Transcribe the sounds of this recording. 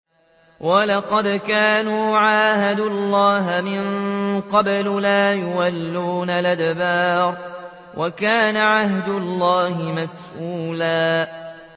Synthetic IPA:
wʔɑlɑqɑd̪kaːnuːʕaːhad̪ʊlːɑːɦamɪnqɑblʊlaːjʊwalːuːnalʔad̪baːɾ | wʔakaːnaʕaɦd̪ʊlːɑːhɪmas | ʔuːlaː

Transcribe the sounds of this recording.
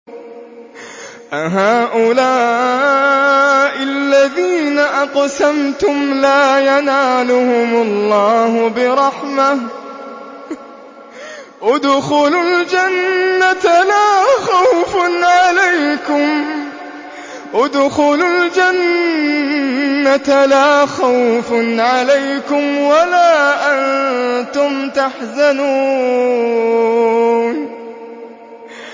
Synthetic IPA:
ʔaɦaːʔʊlaː | ʔɪlːaðiːnaʔɑqsamt̪ʊmlaːjanaːlʊhʊmlˤːɑːhʊbɪɾˤɑħmah | ʔad̪xʊlald͡ʒanːat̪laːxawfʊnʕalajkʊm | ʔʊd̪xʊlʊld͡ʒan | alaːxawfnʕalajkʊmwalaːʔant̪ʊmt̪aħzanuː | n

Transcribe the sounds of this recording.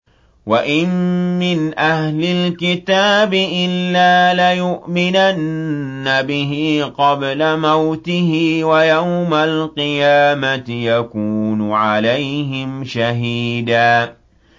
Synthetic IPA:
waʔɪmmɪnʔahlɪlkɪt̪aːbɪʔɪlːaːlɪjʊʔmɪnanːabɪɦɪqɑblamawt̪ɪhɪwajawmalqɨjaːmat̪jakuːnʊʕalajɦɪmʃaɦiːd̪aː

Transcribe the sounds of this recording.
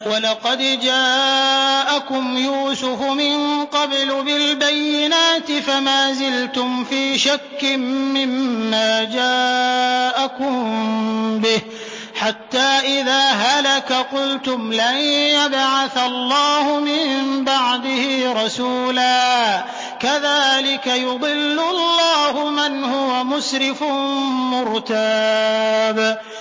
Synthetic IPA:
wɑlɑqɑd̪d͡ʒaː | ʔakʊmjuːsʊfʊmɪnqɑblbɪlbajːɪnaːt̪ɪfamaːzɪlt̪ʊmfiːʃakːɪmːɪmːaːd͡ʒaː | ʔakʊm | bɪh | ħat̪ːaːʔɪðaːɦalakaqʊlt̪ʊmlanjjabʕaθalˤːɑːhʊmɪmbaʕd̪ɪhɪɾˤɑsuːlaː | kaðaːlɪkajʊd̪ˤɨlːʊlːɑːhʊmanhʊwamʊsɾɪfmʊɾt̪a | b

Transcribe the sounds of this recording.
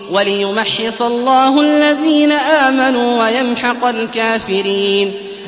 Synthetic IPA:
walɪjʊmaħːɪsˤɑlˤːɑːhʊʔalːaðiːnaʔaːmanuːwajanħɑqalkaːfɪɾiːn

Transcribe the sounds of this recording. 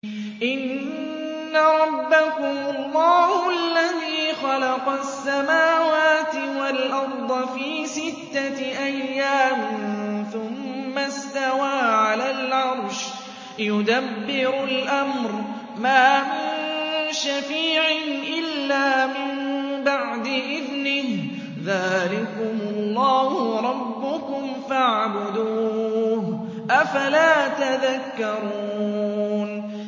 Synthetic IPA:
ʔɪnː | aɾˤɑbːakʊmʊlˤːɑːhalːaðiːxɑlɑqɑsːamaːwaːt̪ɪwalʔɑɾˤd̪ˤɑfiːsɪt̪ːaʔajːaːmθʊmːast̪awaːʕalaːlʕɑɾˤʃ | jʊd̪abːɪɾʊlʔamɾ | maːmɪnʃafiːʕɪnʔɪlːaːmɪmbaʕd̪ɪʔɪðnɪh | ðaːlɪkʊmʊlˤːɑːhʊɾˤɑbːʊkʊmfaʕbʊd̪uːh | ʔafalaːt̪aðakːɑɾˤuːn

